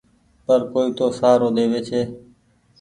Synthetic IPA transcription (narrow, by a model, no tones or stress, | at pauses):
pəɾkoːiːt̪oːsaːɾoːd̪eːʋeːt͡ʃʰeː